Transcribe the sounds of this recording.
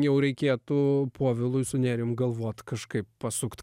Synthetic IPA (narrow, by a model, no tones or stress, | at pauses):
jɛʊɾʲɛɪkʲeːt̪ʊpʰoɔʋʲɪlˠʊjsʊnʲæːɾʲɪjʊmɡɐlˠʋoɔt̪kɐʃkɐɪppɐsʊkt̪